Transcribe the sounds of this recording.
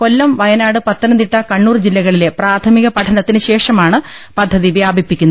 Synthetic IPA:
ko̞lːɐmmʋɐjɐnaːɽɨpɐt̪ːɐnɐmt̪iʈːɐkɐɳːuːrd͡ʑilːɐɣɐɭile̞praːt̪ʰɐmiɣɐpɐʈʰɐnɐt̪ːinɨɕe̞ːʂɐmaːɳɨpɐd̪ʱːɐðiʋjaːbʱipːikʲːunːɐ

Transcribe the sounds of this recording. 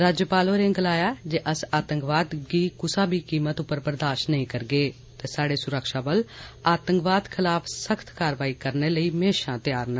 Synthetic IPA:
ɾaːd͡ʒjəpaːloːɾẽːɡəlaːjaːd͡ʒeːʔəsaːt̪əŋkʋaːd̪ɡiːkʊsãːbiːkiːmət̪ʊpːəɾpəɾd̪aːʃnəɦĩːkəɾɡeː | t̪eːsaːɽeːsʊɾəkʃaːbəlaːt̪əŋkʋaːd̪kʰɪlaːpʰsəkʰt̪kaːɾʋaːiːkəɾneːləiːmeːʃãːt̪jaːɾnə

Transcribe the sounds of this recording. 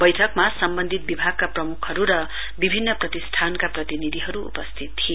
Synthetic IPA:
bʌjʈʰʌkmasʌmbʌnd̪ʱit̪̚bibʱaɡ̚kaprʌmukʰʌɾuɾʌ | bibʱinːʌprʌt̪ist̪ʰankaprʌt̪inid̪ʱiɦʌɾuṵpʌst̪ʰit̪t̪ːʰie

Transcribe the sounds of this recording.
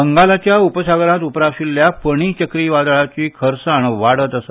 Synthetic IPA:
əŋɡalat͡ɕjaupəsaɡɾãt̪upɾaɕilːjapəɽ̃iːt͡ɕəkɾiːʋad̪ɭat͡ɕiːkʰəɾsaɳʋaɽət̪əsa

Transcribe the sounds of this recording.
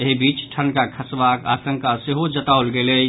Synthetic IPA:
eɦibit͡ʃʈʰənkakʰəsbaka̰sə̃ŋkaseɦod͡ʒət̪aolɡele

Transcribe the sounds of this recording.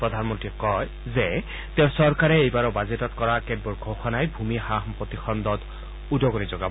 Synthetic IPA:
pɹɔd̪ʱanmɔntɹiɛkɔj | zɛ | t̪ɛʊ̃sɔɹkaɹɛejbaɹɔbazetɔtkɔɹakɛd̚bɔɹɡʱoxɔnajbʱumixaɦmpɹɔt̪ixɔnd̪ɔt | udɔɡɔnizɔɡab

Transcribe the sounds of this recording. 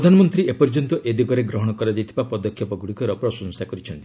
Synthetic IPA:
d̪ʱanɔmɔnt̪ɾiepɔɾd͡ʒɔnt̪ɔʔed̪iɡɔɾeɡɾɔɦɔɽ̃ɔkɔɾad͡ʒajt̪ʰibapɔd̪ɔkʰːjɔpɔɡuɽikɔɾɔpɾɔsɔnsakɔɾit͡ʃʰɔnt̪i̥

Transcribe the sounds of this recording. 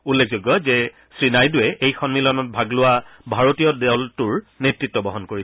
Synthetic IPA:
ulːek̚ʰzoɡjɔzɛ | sɹinajdʊwɛʔejxɔnmilɔnɔt̚bʱaɡlʊwabʱaɹotijɔdɛwltʊɹnetɹitːɔbɔɦɔnkoɹi

